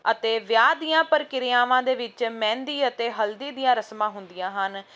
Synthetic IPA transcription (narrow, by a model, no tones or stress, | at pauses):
ət̪eːʋjaːd̪ijãːpəɾkɪɾɪjãːʋãːd̪eːʋɪt͡ʃmɛ̃ːnd̪iːət̪eːɦəld̪iːd̪ijãːɾəsmãːɦʊnd̪ijãːɦən